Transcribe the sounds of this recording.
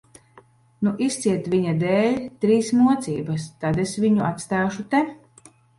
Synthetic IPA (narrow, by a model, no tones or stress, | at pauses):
nuʔist̪siɛt̪viɲad̪ɛːlʲt̪ɾiːsmuɔt̪siːbɐst̪ad̪esviɲuʔat̪st̪aːʃut̪ɛ